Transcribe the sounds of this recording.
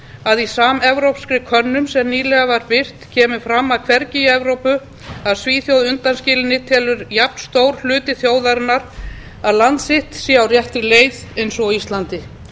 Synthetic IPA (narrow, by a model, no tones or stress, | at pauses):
aðisaːmɛvɾowpskɾɪkʰœnːʏmsɛmniːlɛɣavaɾpɪr̥t̪cʰɛːmʏfɾamːaðkʰvɛɾcɪɛvɾowpʏ | aðsviːθjowðʏnt̪anscɪːlɪnːɪt̪ʰɛːlʏɾjap̚n̥st̪oːwɾ̥l̥ʏːt̪ɪθjoːwðaɾɪnːaɾ | aðlant̪sɪht̪siːawrjɛht̪ɾɪleːjðejnsɔɣiist̪lant̪ɪ